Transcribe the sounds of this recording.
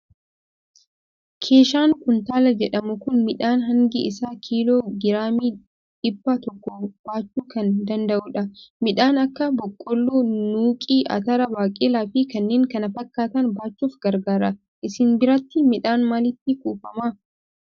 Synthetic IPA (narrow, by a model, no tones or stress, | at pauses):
kʰeːʃaːŋkʊnt̪aːlɐd͡ʒɛᶑɐmʊkʊnmɪᶑaːnɦɐŋɡɪʔɪsaːkʰiːloːɡɪɾaːmiː | ᶑɪbːat̪ɔkːɔb̥aːt͡ʃːuːkɐnd̪ɐnd̪ɐʔʊᶑɐmɪᶑaːnɐkːɐbɔkʼːɔlːuːnuːkʼiːʔɐ̰t̪ɐɾɐbaːkʼeːlaːfiːkɐnːeːŋkɐnɐfɐkːaːt̪ɐnbaːt͡ʃːuːfɡ̥ɐɾɡaːɾɐ | ʔɪsɪnbɪɾɐt̪ːɪmɪᶑaːnmalɪt̪ːɪkuːfɐma